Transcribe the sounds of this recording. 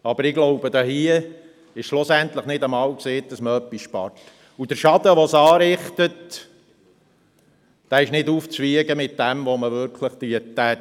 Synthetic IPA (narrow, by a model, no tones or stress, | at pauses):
ɑb̥əɾɪɡlɔʊbəd̪ɑhiə | ɪʃʃlʊsænt̪ləχnɪdəmɑːwkseːt̚d̥ɑsməœpːisʃpɑ̰rt | ud̥əɾʃɑd̥̪əʋɔsɑːɾɪχt̪ət | d̥æːɪʃnɪduːft͡sʋiəɡəmɪtdæmʋoməʋɪɾkʰləχt̪iətæ